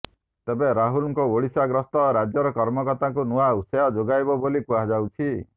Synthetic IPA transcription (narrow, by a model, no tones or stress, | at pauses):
t̪ebeɾaɦulɔŋkɔoɽisaɡɾɔst̪ɔɾad͡ʒjɔɾɔkɔɾmɔkɔt̪aŋkunuausɔjɔd͡ʒoɡajbɔbolikuad͡ʒawt͡ʃʰi